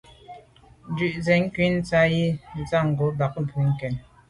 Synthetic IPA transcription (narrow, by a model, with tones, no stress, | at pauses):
nd͡ʒʉ˨ʔzɛ˨ŋ̩˦kɥi˦n̩˦t͡sa˦ji˦n̩˦t͡sa˦˨ŋ̩˨ɡo˨˦ba˨k̚m̩˨bʰu˨˦ŋ̩˦kɛ˨n